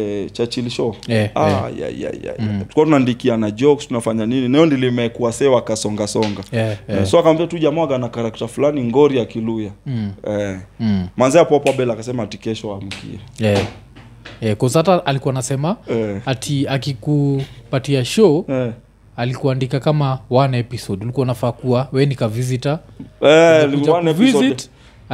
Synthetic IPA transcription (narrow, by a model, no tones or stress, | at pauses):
ɛt͡ʃat͡ʃiliʃɔɛaja̰a̰a̰uukuatunandikianad͡ʒɔkstunafaɲanininaɛɔndilimɛkuasɛwakasɔŋɡasɔŋɡaɛɛsɔakambiatuʄamaɡanakaɾak̚tafulaniŋɡɔɾiakilujaɛ | manzɛapɔpwaɓɛlakasɛmaːtikɛʃɔam̩kḭɛɛ | ɛkɔsataʔalikuwanasɛmaɛatʰiakikupatiaʃɔɛ | alikuandikakamawanɛpisɔɗalikuwanafaːkuawɛnikavizita | ɛliwanɛvsɔt